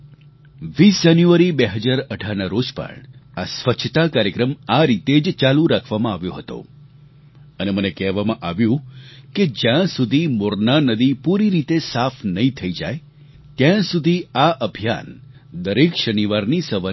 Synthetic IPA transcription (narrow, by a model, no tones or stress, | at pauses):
ʋisd͡ʒanjuaɾibeɦəd͡ʒaɾəʈaɾnaɾod͡ʒpə̰ɳasʋət͡ʃʰət̪akaɾjəkɾəmaɾit̪ed͡ʒt͡ʃalũɾakʰʋamãaʋjoɦət̪o̰ | ənemənekɛɦʋamãʔaʋjũked͡ʒjãsud̪ʱimoɾnanəd̪ipuɾiɾit̪esafʰnəɦĩt̪ʰəid͡ʒa̰j | t̪jãsud̪ʱiaʔəbʱija̰n | d̪əɾekʃəniʋaɾnisəʋa